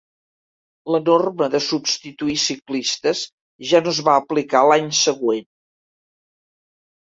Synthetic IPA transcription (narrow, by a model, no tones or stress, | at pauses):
lənorməðəsupst̪it̪uisiklist̪əz | ʒanozβaəplikalaɲsəɣwen